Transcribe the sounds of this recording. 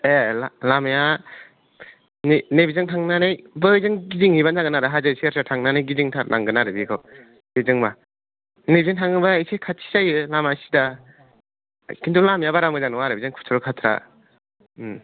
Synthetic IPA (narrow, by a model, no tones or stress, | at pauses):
elalamja | nenebizɯŋtʰaŋnanajbɯzɯŋɡiziŋhibanzaɡɯnaɾɯɦazɯseaɾsʰatʰaŋnanajɡiziŋtʰanʔaŋɡɯnaɾɯbikʰɔ | bezɯŋba | nebiziŋtʰaŋɯbaesejkʰatʰːi̥sajɯlamasi̥da | kintʰulamjabaɾamɯzanɯwaɾɯbizɯŋkʰu̥tʰɔɾɔkʰatʰɾa̰